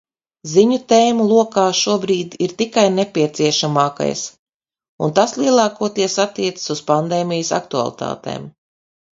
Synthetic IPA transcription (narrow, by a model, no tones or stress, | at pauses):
ziɲut̪eːmulˠuɔkaːʃuɔbɾiːd̪iɾt̪ikajnepʲiɛt̪siɛʃamaːka̰js | ṵnt̪aslˠiɛlˠɑːkuɔt̪iɛsat̪ːiɛt̪sɨ̥suspand̪eːmijsa̰k̚t̪ua̰lˠḭt̪a̰ːt̪ḛːm